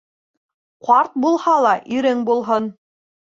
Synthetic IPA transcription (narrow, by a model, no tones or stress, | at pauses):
qɑɾt̪̚bulˠhɑlˠɑʔiɾɘŋbulˠɦon